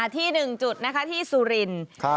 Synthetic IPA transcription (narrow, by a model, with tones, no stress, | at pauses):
t̪ʰiː˥˩nɯ˨˩ŋt͡ɕu˨˩t̪̚na˦˥kʰa˦˥t̪ʰiː˥˩suː˧ɾi˧˩nkʰ